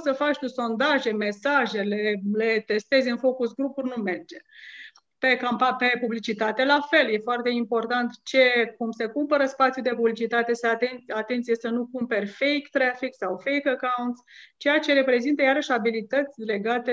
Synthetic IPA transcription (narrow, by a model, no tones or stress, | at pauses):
səfat͡ʃt̪uso̞nd̪aʒe̞me̞saʒe̞le̞le̞t̪e̞st̪e̞zʲɨnfo̞kusɡɾupurʲnume̞rd͡ʒe̞ | pe̞kampape̞publit͡ʃit̪at̪e̞lafe̞lje̞foart̪e̞impo̞rt̪ant̪t͡ʃe̞kumse̞kumpəɾəspat̪sijud̪e̞publit͡ʃit̪at̪e̞seat̪enat̪e̞nt̪sijesənukumpe̞rʲfejkt̪ːɾafiksawfejkakawnt̪st͡ʃe̞jat͡ʃe̞ɾe̞pɾe̞zint̪əjaɾəʃʲabilit̪ət̪sʲle̞ɡat̪e